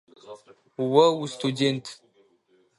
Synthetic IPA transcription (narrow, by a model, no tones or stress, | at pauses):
wɐwustʰudentʰ